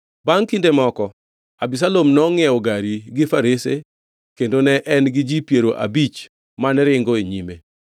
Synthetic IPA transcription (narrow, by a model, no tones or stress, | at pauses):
baŋkindemɔkɔ | abis̬alomnɔŋɛɔɡaɾiɡɪfaɾese | kendonɛʔɛnɡɪd͡ʒipjeɾoʔa̰bit͡ʃ | manɾɪŋɡoeɲime